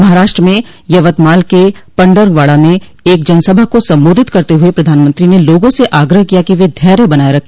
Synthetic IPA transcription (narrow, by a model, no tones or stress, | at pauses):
mɐɦaːɾaːʃʈɾəmẽ | jɐʋət̪maːlkepɐ̃ɳɖəɾʋaːɭamẽ | eːkd͡ʒɐnsəbʱakosɐ̃mboːd̪ʱɪt̪kɐɾt̪eɦuepɾɐd̪ʱaːnmə̃nt̪ɾineloːɡõseʔaːɡɾəɦkijakiʋed̪ʱɛːɾebɐnaːeɾɐkʰː